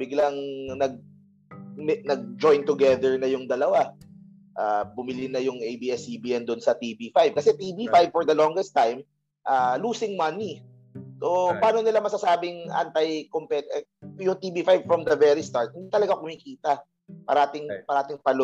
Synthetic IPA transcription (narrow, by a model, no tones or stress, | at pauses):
bɪɡlɐŋnɐɡ̚ | mɛnɐɡ̚d͡ʒojnt̪ʊɡɛd̪ɛɹnɐjʊŋd̪ɐlɐwa | ʔaːbʊmɪlɪnɐjʊŋʔejbiɛsibiːʔɛnd̪ʊnsɐt̪ibifajb̚kɐsɛt̪iːbifajb̚fɔɹd̪ɐloŋɡɛst̪ajm | ʔaluːsɪŋmɐni | so̞paːnonɪlamɐsɐsaːbɪŋʔa̰nt̪ɐjkompɛt̪ɛjʊŋt̪iːbifajbfɹɔmd̪ɐvɛɹist̪aɹt̪̚hɪnd̪it̪ɐlɐɡakʊmikiːt̪ɐ | pɐ̰ɾɐʔaːt̪ɪŋpɐɾɐʔaːt̪ɪŋpɐl